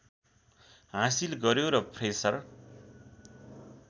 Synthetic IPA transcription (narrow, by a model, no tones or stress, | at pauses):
ɦãsilɡʌɾjoɾʌpʰresʌr